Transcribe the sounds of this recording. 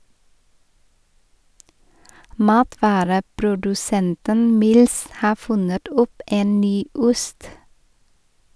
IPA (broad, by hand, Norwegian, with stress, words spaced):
ˈmɑːtʋɑːɾəpɾʊdʉˌsɛntən ˈmɪls ˈhɑː ˈfʉnət ˈɔp ˈeːn ˈnyː ˈʊst